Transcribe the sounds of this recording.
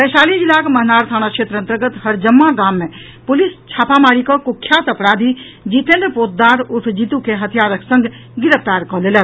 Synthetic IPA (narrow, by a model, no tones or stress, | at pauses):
pɛːʃaːlid͡ʒɪlaːkmɐɦnaːɾt̪ʰaːñakʃeːt̪ɾənt̪əɾɡət̪ɦəɾd͡ʒəmːaɡaːmːẽ | pʊlist͡ʃʰaːpamaːɽikɔkʊkʰːjat̪ɐpɽaːd̪ʱi | d͡ʒiːt̪ẽnd̪poːt̪̚d̪aːɾʊt̪ʰd͡ʒiːt̪ukeɦɐt̪ʰijaːɾəksə̃ŋɡ | ɡɪɾəpt̪aːɾkɔleːlə